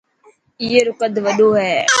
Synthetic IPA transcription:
ɪeːɾʊkəd̪ʋəɗoːɦɛː

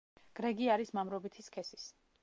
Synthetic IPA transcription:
ɡ̥ɾɛɡiaɾismamɾɔbit̪ʰiskʰɛsis

